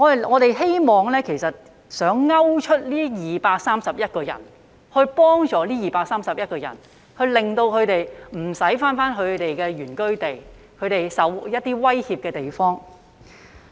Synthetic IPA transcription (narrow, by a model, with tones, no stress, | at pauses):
ŋɔː˨˧˨ŋɔː˨˧t̪e˨jɦe˥jmɔː˨ŋlɛː˥kʰe˨˩jsɐ˨t̚ | sœː˨˥ŋːɐ˥wt͡ʃʰɵ˥t̚liː˥jiː˨paː˧k̚saː˥msɐ˨p̚jɐ˥t̚kɔː˧jɐ̰˨˩n | hɵ˧ɥpɔː˥ŋt͡sɔː˨˥liː˥jiː˨paː˧k̚saː˥msɐ˨p̚jɐ˥t̚kɔː˧jɐ̰˨˩n | hɵ˧ɥlɪ˨ŋt̪o˧wkʰɵ˨˧t̪e˨jm̩˨˩sɐ˨˥jfaː˥nfaː˥nkʰɵ˨˧ɥt̪e˨jkɛː˧ɥyː˨˩nkɵ˥ɥt̪e˨j | kʰɵ˨˧ɥt̪e˨jsɐ˨˥wjɐ˥t̚t̪ːiː˥wɐ˥jhiː˧p̚kɛː˧t̪e˨˩jfɔː˥ŋ